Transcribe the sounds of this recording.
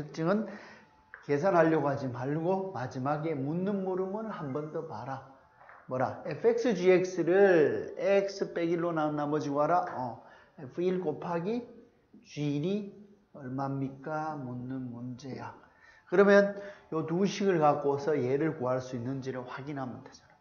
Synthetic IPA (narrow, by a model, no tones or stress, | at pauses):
tʰɯk̚t͡ɕ͈ɯŋɯn | ke̞sʰanɦaʎːʌɡad͡ʑimaɭɡomad͡ʑimaɡe̞munːɯnmoɾɯmɯnɯɭhambʌndʌmaɾa | mwʌɾaepʰe̞k̚s͈ʰɯd͡ʑiek̚s͈ɯɾɯɭek̚sʰɯp͈eɡiɭːonannːamʌd͡ʑiɡoɦaɾaʌ | epʰɯiɭkopʰaɡi | t͡ɕɥiɾi | ʌɭmammːik͈amunːɯnmund͡ʑe̞jakɯɾʌmjʌnjʌtuɕʰiɡɯɭkak͈osʰʌjeɾɯɭkoɦaɭs͈uinːɯnd͡ʑiɾɯɭɸwaɡinɦamɯntʰed͡ʑʌna